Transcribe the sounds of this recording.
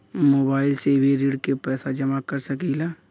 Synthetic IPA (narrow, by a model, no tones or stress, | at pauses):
moːbaːɪlseːbʱeɾiːɽkepɛːsad͡ʒɐmakɐɾsɐkilaː